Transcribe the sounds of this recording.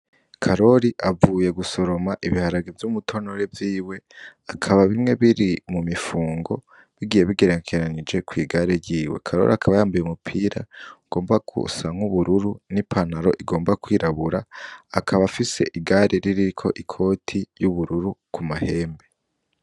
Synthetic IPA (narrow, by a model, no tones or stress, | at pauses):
kʰaɾo̞ɾiʔavuːje̞ɡuso̞ɾo̞maʔiβihaɾaɡevjumutʰo̞noɾe̞vjiːwe̞akʰaβaβimŋe̞βiɾimumifuːŋɡo̞ | βiɡije̞βiɡe̞ɾekʰeɾanid͡ʒe̞kwiːɡaɾeɾjiːwe̞̰kʰaɾo̞̰ɾiakʰaβajaːmbujeumupʰiːɾa̰ɡ̥o̞ːmbakṵsaŋ̥huβuɾuɾunipʰanaɾo̞̰ʔiɡo̞ːmbakwiːɾaβuɾaːkʰaβafise̞ʔiɡaɾʔeɾiɾikʰo̞̰ʔikʰo̞ːtʰijuβuɾuɾukumahe̞ːmbe̞